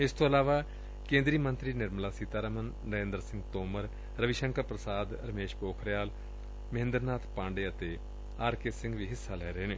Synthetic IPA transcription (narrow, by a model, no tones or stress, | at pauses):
ɪst̪oːəlaːʋaː | kẽːnd̪ɾiːmənt̪ɾiːnɪɾməlaːsiːt̪aːɾəmənːəẽːnd̪əɾsɪ̃ŋɡt̪oːməɾ | ɾəʋɪʃəŋkəɾpɾəsaːd̪ɾəmeːʃpoːkʰɾjaːl | mɦɪ̃nd̪əɾnaːt̪ʰpãːɳɖeːət̪eː | aːɾkeːsɪ̃ŋɡʋiːɦɪsːaːlɛːɾəɦeːneː